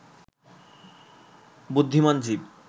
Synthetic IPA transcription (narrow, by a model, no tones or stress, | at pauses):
bud̪ʱːimand͡ʑib̚